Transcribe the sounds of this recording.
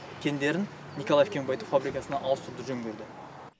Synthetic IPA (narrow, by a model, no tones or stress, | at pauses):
kʲʰe̞nd̪e̞ɾɪnː | ijkolˠajefkʲʰe̞ŋbɑjt̪əfabɾikɑsənɑʔɑlˠəst̪ʰuɾd̪əʒɵŋɡʲe̞ɾd̪ɪ